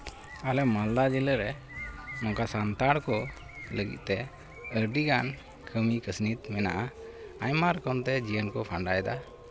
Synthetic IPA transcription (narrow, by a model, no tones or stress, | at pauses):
alɛmald̪ad͡ʒiləɾɛ | mɔŋkasant̪aɽkɔ | ləɡḭt̪̚t̪ɛ | əɾɖiɡan | kʰəmikəsnit̪mɛna̰ʔaajmaɾkɔnt̪ɛd͡ʒiənkɔpʰaɳɖajd̪a